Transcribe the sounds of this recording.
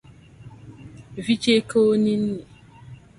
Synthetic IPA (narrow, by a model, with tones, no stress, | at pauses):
vi˦t͡ʃe˦ko˦o˦ni˦n̩˦ne˨